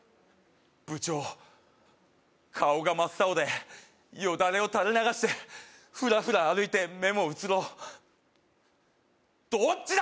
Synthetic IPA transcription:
b̥ɯ̟t͡ɕo | kʰaoɡamasaod̪e̞ | ijod̪aɾe̞o̞t̪aɾenaɡaɕi̥t̪e̞ | ɸɯ̟ɾaɸɯ̟ɾaːɾɯ̟it̪e̞me̞mo̞ɯ̟t͡sɨɾo̞ | d̪̥ot͡ɕːi

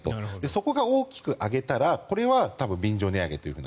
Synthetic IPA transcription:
t̪od̪e̞so̞ko̞ɡao̞ːkʲi̥kɯ̟ʔaɡe̞t̪aɾako̞ɾe̞βat̪abɯ̟̃mbʲĩɲd͡ʑo̞ːniaɡe̞t̪o̞jiɯ̟ɯ̟ːn

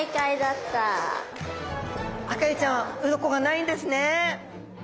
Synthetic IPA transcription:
ikaid̪at̪ːa | akait͡ɕãɰ̃ɯ̟ɾokoɡanaĩnd̪e̞sɨne

